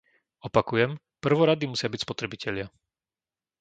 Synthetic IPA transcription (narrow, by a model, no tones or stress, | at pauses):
ɔpakujɛm | pr̩ʋɔɾad̪imusɪabicspɔt̪ɾɛbicʰɛʎɪa